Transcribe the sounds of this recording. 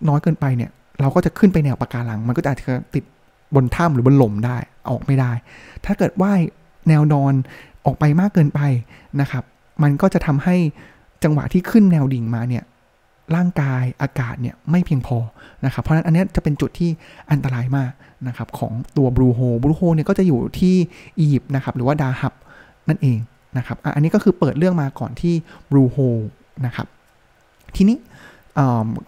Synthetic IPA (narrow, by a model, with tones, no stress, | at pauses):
nɔː˦˥jkɤː˧npa˧jni˥˩ɐ | ɾa˧wkɔː˥˩t͡ɕa˨˩kʰɯ˥˩npa˧jnɛː˧wpa˧kaː˧la˧˩ŋm˧nkɔ˥˩aː˨˩t͡ɕa˨˩˧t̪i˨˩t̪̚ | bo˧nt̪ʰa˥˩mɾɯː˩˦bo˧nlo˩˦mdaː˥˩j | ʔɔ̰ː˨˩k̚ma˥˩jdaː˥˩jt̪ʰaː˥˩kɤː˨˩t̪̚waː˥˩ | nɛː˧wnɔː˧nʔɔː˨˩k̚pa˧jmaː˥˩kːɤː˧npa˧j | na˦˥kʰa˦˥p̚ | ma˧nkɔː˥˩t͡ɕa˨˩t̪ʰa˧mha˥˩j | t͡ɕa˧ŋwa̰˨˩t̪ʰiː˥˩kʰɯ˥˩nnɛː˧wdi˨˩˦ŋmaː˧ni˥˩ɐ | ɾaː˥˩ŋkaː˧jʔaː˧kaː˨˩t̪̚ni˥˩ɐma˥˩jpʰi˧əŋpʰɔː˧na˦˥kʰa˦˥pʰːɔ˧˥n˦˥nʔnːi˦˥t͡ɕa˨˩pe˧nt͡ɕu˨˩t̪ʰːiː˥˩ʔa˧nt̪a˧ɾaː˧jmaː˥˩k̚ | na˦˥kʰa˦˥p̚kʰɔ̰ː˩˦ŋt̪u˧ɐbɾuː˧ɦoː˧bɾuː˧hoː˧ni˥˩kɔː˥˩t͡ɕa˨˩juː˨˩t̪ʰiː˥˩ʔiː˧ji˨˩p̚na˦˥kʰa˦˥p̚ɾɯː˩˦waː˥˩daː˧ha˦˥p̚ | na˥˩nʔeː˧ŋ | na˦˥kʰa˦˥p̚ʔa̰˨˩ʔa˧nːi˦˥kɔː˥˩kʰɯː˧pɤː˨˩t̪̚ɾɯ˥˩əŋmaː˧kɔ̰ː˨˩nt̪ʰiː˥˩bɾuː˧hoː˧ | na˦˥kʰa̰˦˥p̚ | t̪ʰiː˧niː˦˥ | ʔɤː˨˩m